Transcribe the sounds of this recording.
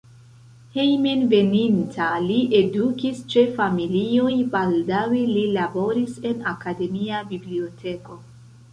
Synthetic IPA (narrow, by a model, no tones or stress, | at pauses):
hejmenve̞nintʰaliʔe̞dukist͡ʃe̞familio̞jbaldawelilabo̞ɾise̞nakade̞miabiblio̞tʰe̞ko̞